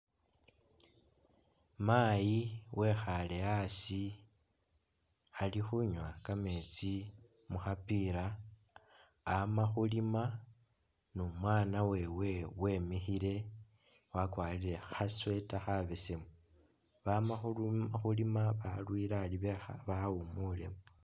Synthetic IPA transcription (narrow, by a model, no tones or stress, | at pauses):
majiwʔe̞xale̞asi | alixuɲwakame̞t͡si | muxapiɾa | maxulima | numwaːnawe̞we̞we̞mixiɾe̞ | wakwaːliɾe̞xaswe̞taxaβesemu | βamaxuxulimaβalwiːɾaːliβexa̰βaumule̞mu